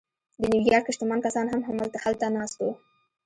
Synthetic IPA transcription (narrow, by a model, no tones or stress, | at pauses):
d̪ənɪwijɑɾkɪʃt̪ɪmɑnkasɑnɦamɦamalt̪ahalt̪anɑst̪o